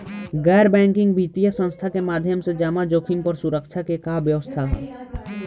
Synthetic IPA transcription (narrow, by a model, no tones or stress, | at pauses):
ɡɛːɾbɛ̃ːŋkɪ̃ŋɡbit̪ijəsə̃nst̪ʰakemaːd̪ʱjəmsed͡ʒaːmad͡ʒoːkʰimpəɾsuɾəkt͡ʃʰakekabjəʋəst̪ʰaɦɛ̰ː